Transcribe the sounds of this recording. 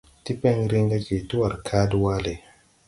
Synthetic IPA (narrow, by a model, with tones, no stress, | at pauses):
ti˦pɛ˦ŋɾi˦ŋɡa˦ke˨tu˦a˨ɾkʰa˦dwa˦le˨